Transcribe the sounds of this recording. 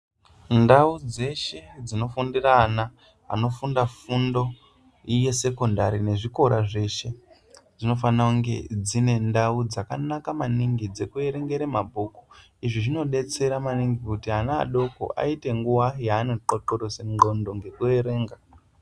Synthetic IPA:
ndaud͡ze̞ʃe̞d͡zino̞fundirana | a̰no̞fundafundo̞ | ije̞se̞ko̞ndaɾine̞ʐiko̞ɾaʐe̞ʃe̞ | d͡zino̞fanauŋɡe̞̰d͡zine̞ndaud͡zakanakamaniŋɡid͡ze̞kue̞ɾe̞ŋɡe̞ɾemabʱuːku̥ | iʐiʐino̞ɗe̞t͡se̞ɾamaniŋɡikutiɦana̰ːɗo̞ko̰ʔa̰ite̞ŋɡuwajaːneǃoǃoɾoseŋɡondo̞ŋɡe̞kue̞ɾe̞ːŋɡa

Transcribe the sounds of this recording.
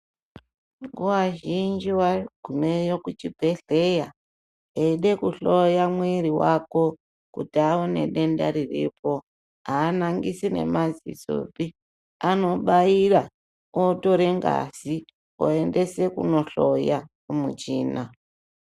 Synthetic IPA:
ŋɡuwaʒind͡ʒiwaɡ̥ʱumejokut͡ʃipe̞ɬe̞ja | eɗe̞kuɬo̞jamwiɾiwako̞ | kutiaone̞̰ɗe̞nda̰ɾirḭpo̞ | aːnaŋɡisine̞̰mazḭzo̰pi | ano̞ɓaira | oto̞ɾeŋɡa̰si | o̰e̞nde̞se̞kuno̞ɬoja | umṵt͡ʃiːna

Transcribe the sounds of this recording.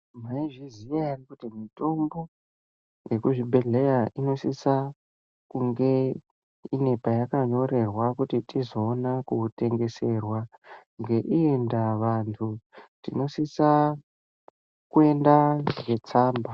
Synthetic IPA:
maiʐizijarikutimito̞mbo̞ | je̞kuʐibʱe̞ɮe̞jaʔino̞sisa | kuŋɡe̞ | ine̞pajakaɲo̞re̞rwakutitizo̞ːnakute̞ŋɡe̞se̞rwaŋɡe̞ʔiendaʋantʰutino̞sisa | kue̞ndaɡe̞t͡saːmba

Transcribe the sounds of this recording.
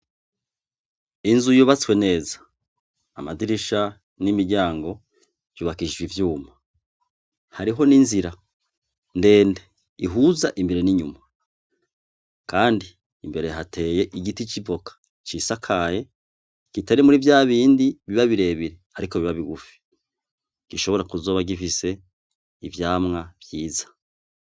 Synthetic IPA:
inzujuβat͡swe̞ne̞ːzḁː | madiɾiʃa | nimiɾɟaːŋɡo̞ | juːβakiʒiβivjuːma | haɾiɦo̞ninziɾa | nde̞ːnde | iɦuzaʔimbe̞ɾeniɲuma | kaːndiː | mbe̞ɾeɦatʰe̞ːje̞ʔiɡitit͡ʃivo̞kḁ | t͡ʃisakʰaje̞ | kiteɾemuɾivjaːβiːndiβiβaβiɾe̞βiɾe̞aɾiko̞βiβaβiɡufi̥ | ɡ̥iʃo̞βo̞ɾakuzo̞ːβaɡifise̞ | ivjaːmŋav̥jiːzḁ

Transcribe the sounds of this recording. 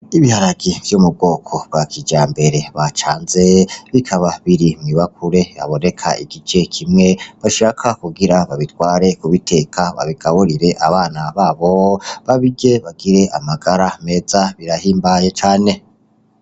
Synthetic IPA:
iβihaɾaɡiv̥jomub̚ɡo̞ːkʰo̞b̚wakʰid͡ʒaːmbe̞ɾe̞βat͡ʃaːnze̞βikʰaβaβiɾimŋiβakʰuɾe̞βa̰βo̞ne̞kʰa̰ḭɡit͡ʃe̞kʰimŋe̞βaʃaːkʰakuɡiɾaβaβitwaːɾe̞kuβitʰe̞kʰaβa̰βiɡ̥aβoɾiɾe̞ʔaβaːnaβaːβo̞βaβiɡe̞βaɡiɾe̞amaɡaɾame̞zaβiɾahiːmbajet͡ʃaːne̞

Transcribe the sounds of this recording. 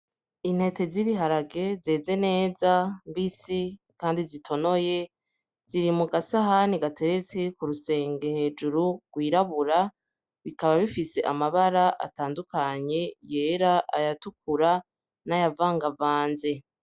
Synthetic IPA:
in̥he̞te̞ziβiɦaɾaɡe̞ze̞ːze̞ne̞ːzambisi | kaːndizitʰo̞no̞je̞ | z̥iɾimuɡasaɦaniɡate̞ɾe̞t͡se̞kuɾuse̞ːŋɡe̞he̞ːd͡ʒuɾuɡ̥wiːɾaβuɾa | βikaβaβifise̞ʔamaβaɾaʔa̰taːndukaɲe̞je̞ːɾaʔajatuk̚uɾa | najavaːŋɡavaːnze̞

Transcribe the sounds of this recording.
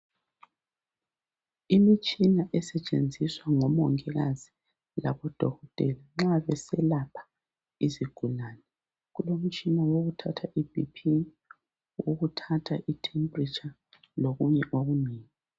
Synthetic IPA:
imit͡ʃʼinaʔɛsɛt͡ʃʼend͡zʱiswaŋɔmɔŋɛɣazi | laβɔd̥ʱɔɣɔtʼɛlaŋ͡ǁaβɛsɛlapʰḁ | iziɡ̥ʱulaːnɛ | ɣulom̩t͡ʃʼinawoɣutʰatʰaʔibḭpʰi | woɣutʰatʰaʔitʰɛmbrit͡ʃʼa | loɣuɲɛʔoɣuniːŋi

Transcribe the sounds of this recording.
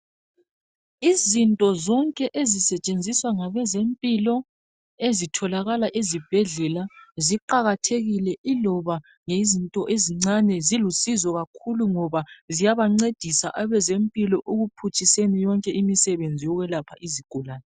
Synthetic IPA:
izintʼɔzɔŋkʼɛʔezisɛt͡ʃʼend͡zʱiswaŋaβɛzempʼilɔ | ezitʰɔlaɣalaʔezib̥ʱɛɮɛlaziǃaɣatʰeɣilɛʔilɔβa | ŋezintʼɔʔeziŋ͡ǀanɛzilusizɔɣakʰuluŋɔβazijaβaŋ͡ǀed̥ʱisa̰ʔaβɛzempʼilɔʔoɣupʰut͡ʃʰʼisenijɔŋkʼɛʔimisɛβend͡zʱijɔɣwɛlapʰaʔiziɡ̥ʱulaːnɛ

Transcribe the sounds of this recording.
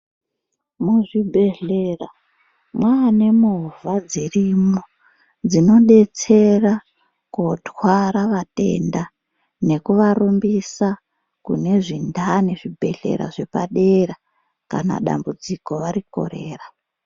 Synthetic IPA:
muʐibʱe̞ɮe̞ra | mwaːne̞muɦvad͡zirimo | d͡zino̞ɗe̞t͡se̞ra | kotwaɾaʋate̞̰nda | ne̞kuʋarumbisa | kṵne̞ʐindʱane̞ʐibʱe̞̰ɮe̞̰ɾa̰ʐe̞paɗe̞ra | ka̰na̰ɗa̰mbud͡ziko̞ʋaɾiko̞̰re̞ːra

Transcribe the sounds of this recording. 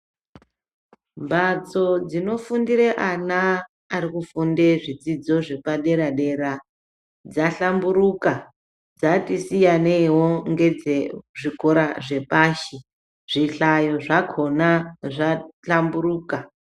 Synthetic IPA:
mbat͡so̞d͡zino̞fundiɾeʔanaː | ɾikufundeʐid͡zid͡zo̞ʐe̞paɗe̞ɾaɗe̞ɾa | d͡zaɬambuɾuka | d͡zatisijanewoŋɡe̞d͡zeʐikoɾaʐe̞paʃi | ʐ̥iɬajo̞ʐakʰo̞naʐaɬamburuːka

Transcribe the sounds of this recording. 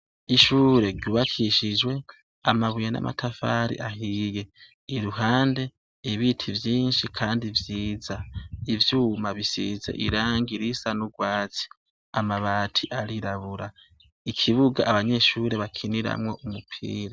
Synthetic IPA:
iʃuːɾe̞ɡɟuːβakʰiʃid͡ʒwe̞ | amaβujana̰ma̰tʰafaɾḭʔaɦije̞ | iɾuɦaːnde̞ | iβitʰivjiːnʃikʰaːndivjiːzaivjuːmaβisḭzḛʔiɾaːŋɡiɾisanuɡwaːt͡si̥ | amaβaːtʰiʔaɾiɾaβuɾa | ikʰiβuɡaʔːβaɲe̞ʃuːɾeβakʰiniɾa̰mŋo̞ʔumupʰḭːɾa

